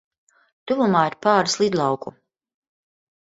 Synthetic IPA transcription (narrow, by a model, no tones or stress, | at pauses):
t̪uvumaːiɾpaːɾslˠid̪lˠɑwku